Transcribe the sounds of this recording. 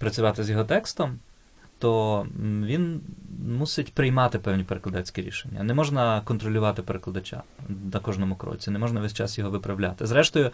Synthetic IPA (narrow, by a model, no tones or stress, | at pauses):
pɾɐt͡sʲʊʋɑt̪ɪzjɔɦɔt̪ɛkst̪ɔm | t̪ɔ | ʋʲinmusɪtʲpɾɪjmɑt̪ɪpɛwnʲipeɾeklɐd̪ɛt͡sʲkʲiɾʲḭʃenʲːɐ̰nɛmɔʒnɐkɔnt̪ɾɔlʲʊʋɑt̪ɪpeɾeklˠɐd̪ɐt͡ʃʲa̰nɐkɔʒnɔmʊkɾɔ̰t͡sʲinɛmɔʒnɐʋɛsʲt͡ʃɑ̰sjɔɦɔʋɪpɾɐwlʲa̰t̪ɪzɾɛʃt̪ɔjʊ